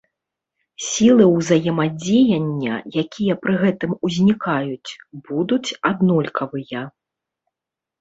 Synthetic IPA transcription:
sʲilˠɨwzɐjɛmɐd͡zʲejɐnʲːɐ̰jakʲijɐpɾɨɣɛt̪ɨmuzʲnʲikajut͡sʲbud̪ut͡sʲad̪nɔlʲkʰɐvɨjɐ

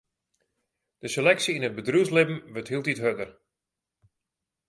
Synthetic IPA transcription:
d̥əselɛksiinət̚bədruslɪbm̩ʋəthilˠtitɦødər

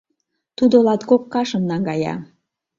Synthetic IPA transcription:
t̪ud̪olɑt̪ɡokːɑʃəmnɑŋɡɑjɑ̰

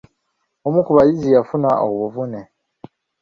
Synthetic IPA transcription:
omukuβajizijafunaʔo̰βuβuvune

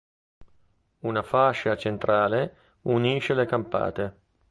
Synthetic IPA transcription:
unafaʃːat͡ʃent̪ɾaːle | uniːʃelekampa̰ːt̪e

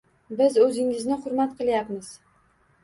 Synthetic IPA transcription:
bɪzɵzɪŋɪznɪχʊɾmat̪qʰɨlˠjapmɪz̥

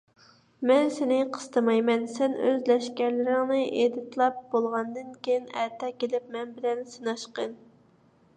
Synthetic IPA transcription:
mɛnsenɪqʰə̥st̪ʰɨmɑjmɛnsɛnø̰zlɛʃkʲɛɾlɪɾɪŋnɨʔed̪ɪt̪lˠɑp̚bolˠʁɑnd̪ɨnkʲejinæɾt̪ʰɛkʲelɪp̚mɛnbɪlɛnsɨnɑʃqən

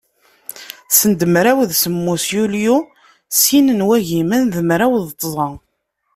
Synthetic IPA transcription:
sənd̪əmɾæwðsəmːusjulju | sinənwæʝimænðəmɾæwðt̪ˤːzˤɑ

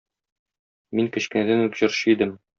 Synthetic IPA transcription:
miŋkɘ̆ɕkɘ̆næd̪ænʉkʑɤ̆ɾɕɤid̪ɘm

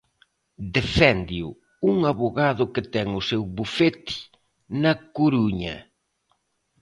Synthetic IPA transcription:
d̪efɛnd̪iʊ | uŋaβoɣaðʊkɪt̪ɛŋʊsewβufet̪i̥ | nɐkuɾuɲɐ̰

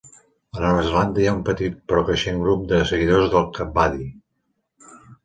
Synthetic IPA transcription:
ənɔβəzəland̪əijaumpət̪it̪̚pɾɔkəʃeŋɡɾup̚d̪əsəɣiðozðəlˠkəbaði

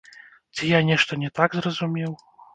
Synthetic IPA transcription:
t͡sʲijanʲɛʂt̪ɐnʲɛt̪aɡzrɐzumʲɛw

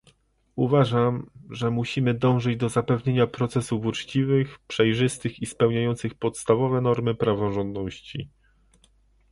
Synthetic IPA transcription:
uvaʐamʐɛmuɕimɘd̪ɔ̃w̃ʐɘd͡ʑd̪ɔzapɛvɲeɲapɾɔt̪sɛsufut͡ʂt͡ɕivɘxpʂɛjʐɘst̪ɘxispɛwɲajɔnt̪sɘxpɔt̪st̪avɔvɛnɔɾmɘpɾavɔʐɔnd̪nɔɕt͡ɕḭ

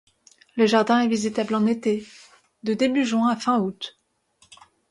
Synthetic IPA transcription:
ləʒaʁd̪ɛ̃ɛvizit̪ablɑ̃net̪e | d̪əd̪ebyʒwɛ̃afɛ̃ut̪

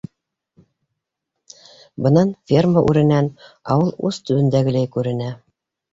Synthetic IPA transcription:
bɤ̆nɑnfʲerməʔʉɾɘ̆nænɑwɤlˠʉ̰z̥t̪ɵ̆βɘ̆nd̪æɡɘ̆læjkʉɾɘ̆næ

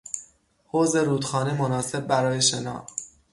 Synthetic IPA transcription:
hoːze̞ɾuːd̪xɒːnemonɒːse̞b̚ːæɾɒːje̞ʃe̞nɒ̰ː

